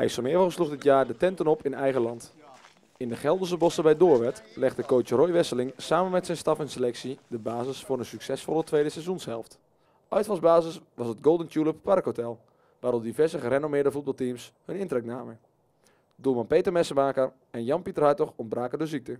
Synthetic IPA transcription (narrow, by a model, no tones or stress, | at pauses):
ɛ̰jsomɪəvəəsluxdɪtjaːɹdətɛntənɔpʰɪnɛjɣəlɑnt | ɪndəχɛlˠdəsəbɔsəbɛjdoːʋɛtlɪxtəkoːt͡ʃərojʋɪsəlɪŋsaːmənmɛtsɛjnstɑfɛnselɛksidəbaːzəsfʊːɹəsyksɛsfɔlˠətʋeːdəsɛzunshɛ̰lˠft | œɥtfɑlˠzbaːzəsʋɑsətɡowlˠdəntuləppɑrkhotɛlˠ | ʋaːɾɔp̚divɛɹzəχəɾenomɪədəfut̚bɑlˠtimshønɪntrɛknaːmə | domɑnpeːtərmɛsəmaːkər | ɛnjɑnpitərhɑtɔxɔnbraːkədøzik̚tə